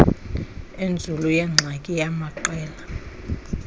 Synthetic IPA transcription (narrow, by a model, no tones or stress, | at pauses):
end͡zʱulujɛŋ͡ǀʱakʼijamaǃɛːla